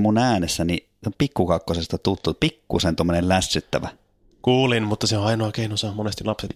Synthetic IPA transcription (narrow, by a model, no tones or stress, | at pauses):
munæːnesːæni | ompikːukɑkːosest̪ɑt̪ut̪ːupikːusent̪omːonellæsːyt̪ːæ̰ʋæ | kuːlinmut̪ːɑseoɑinoɑkeinosɑmonest̪ilɑpset̪